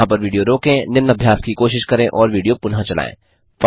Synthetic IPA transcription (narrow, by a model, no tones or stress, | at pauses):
ãpɐɾʋiːɖijoɾoːkẽːnɪmnːɐbʱjaːskikoːʃɪʃkɐɾẽʔɔːɾʋiːɖijopʊnɦãt͡ʃɐla̰ːḛ̃ː | f